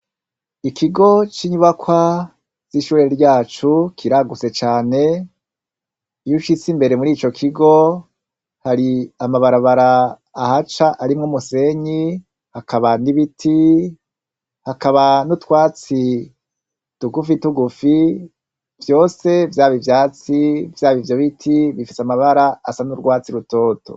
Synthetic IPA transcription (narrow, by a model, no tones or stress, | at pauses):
ikʰiɡo̞t͡ʃiɲuβakwa | z̥iʃuːɾeɾɟaːt͡ʃukʰiɾaɡut͡se̞t͡ʃaːne̞ | juʃit͡simbe̞ɾe̞muɾiːt͡ʃo̞kʰiɡo̞ | haɾiamaβaɾaβaɾaː | hat͡ʃaʔaɾimŋumuse̞ɲi | hakaβaniβitʰi | hakaβanutwaːt͡si | tuɡufituɡufi | vjo̞ːse̞vjaːβivjaːt͡sivjaːβivjoβitʰiβifiseamaβaɾaasanuɾɡwaːt͡siɾuto̞ːto̞̰